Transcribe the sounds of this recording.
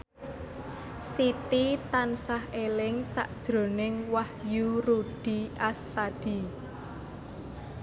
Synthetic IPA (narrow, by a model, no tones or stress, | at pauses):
sit̪it̪ansahelɪŋsa̰ʔd̥ʒ̥ɾo̤nɪŋwahjuɾuɖ̥iʔast̪ad̥i̤